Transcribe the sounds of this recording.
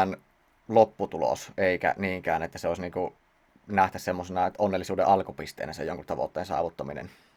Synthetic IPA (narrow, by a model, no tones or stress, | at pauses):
n | lopːut̪ulo̰seikæ̰niːŋkæːnet̪ːæseoˑisniːŋku | næht̪æssemːosenɑt̪ʔonːelːisuːdḛʔɑlkupist̪ˑḛːnæsḛjoŋkut̪t̪ɑʋo̰t̪ːeːnsɑ̰ːʋut̪ːɑminḛn